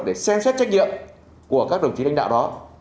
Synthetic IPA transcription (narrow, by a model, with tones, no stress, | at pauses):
ɗe˧˩sɛ˧msɛ˦˥t̚t͡ɕa˦˥k̚ɲḭ˧˨əm | ku˧˩əkaː˦˥k̚ɗə˨˩wŋ͡mt̪i˨˦ɗa˧jŋ̟ɗ̰aː˧˨wɗɔ˨˦